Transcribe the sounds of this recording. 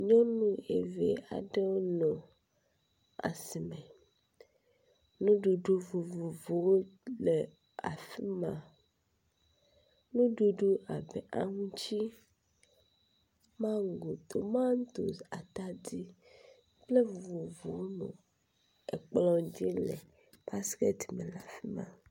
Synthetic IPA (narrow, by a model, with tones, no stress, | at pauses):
ɲɔ̃˦nũ˦ḛ˨vḛ˨a̰˨ɖe˦wo˦nɔ̃˨ | a̰˨si˨me˨ | nũ˦ɖu˨ɖu˦vu˨vu˨vo˨wo˦le˨ | a̰˨fi˦mã˨ | nũ˦ɖu˦ɖu˦a˨bɛ˨ʔa˨ŋũ˦t͡ʃi˦ | mã˦ŋ˨ɡo˨t̪o˨mã˦n˦t̪o̰˨sa̰˨t̪a˦di˦ | ple˦vu˨vo˨vo˨wo˦nṵ̃˨ | ḛ˨k͡plɔ̃˦d͡ʒi˦lḛ˨ | pa˦ske˦t̪mẽ˨la˨fi˦mã̰˨